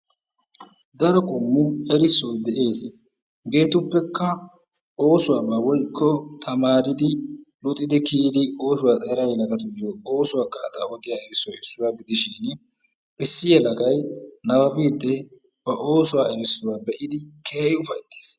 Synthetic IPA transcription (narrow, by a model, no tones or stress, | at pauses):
d̪ɐɾɔkʼʊmːʊɛɾɪsːɔwd̪ɛʔe̞ːs | ɡe̞ːt̪ʊpːɛkːɐ | ʔo̞ːsʊwaːbawɔjkʰːɔt̪ʰɐmaːɾɪd̪ɪlʊt̪ʼɪd̪ɪkiːd̪ɪo̞ːsʊwaːt̪ʼɛɾɐjlɐɡɐt̪ʊd̪ɪjɔo̞ːsʊwaːkːaːd̪ɐ̰wɔd̪ɪjaːɛɾɪsːɔjɪsːʊwaːɡɪd̪ɪʃɪn | ʔɪsːɪjɛlɐɡɐjnɐwɐbiːd̪ːɛ | b̥ɐʔo̞ːsʊwaːɛɾɪsːʊwaːbɛʔɪd̪ɪkeːɪʊfɐjt̪ːe̥ːs